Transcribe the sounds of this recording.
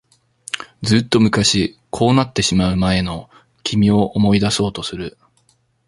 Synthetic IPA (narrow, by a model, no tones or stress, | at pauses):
d͡zɨːt̪ːo̞mɯ̟kaɕikʰo̞ːnat̪ːe̞ɕimaɯ̟mae̞no̞ | kʲʰimʲio̞ʔomo̞id̪aso̞ːt̪o̞sɨɾɯ̟